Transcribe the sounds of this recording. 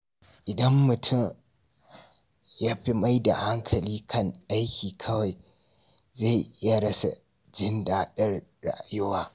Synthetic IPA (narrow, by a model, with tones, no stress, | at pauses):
ʔɪ˨dɐ˦mːʊ˨tʰʊ˦˨m | jaː˦ɸi˦ma˦jda̰˨ha˦ŋkʰɐ˨liː˦kʰɐ˦ŋʔa˦jkʲiː˨kʰɐ˦wa˨j | za˦˨jʔɪ˦ja˦ɾɐ˦sa̰˨ | d͡ʒɪ˦ndaː˦ɗɐ˦rɽa̰˨ʔjʊ˦waː˦